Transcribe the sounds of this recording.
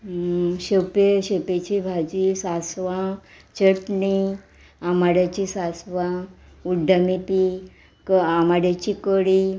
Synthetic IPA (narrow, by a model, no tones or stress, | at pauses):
ɕepeɕepet͡ɕibʱad͡ʑisasʋã | t͡ɕəʈɳi | amaɽjat͡ɕisasʋã | uɖʱəmipi | kamaɽjat͡ɕikəɽi